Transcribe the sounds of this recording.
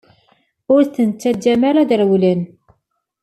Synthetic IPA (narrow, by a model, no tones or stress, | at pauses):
ʊɾθənt͡sːæd͡ʒæmæɾæðəɾwlən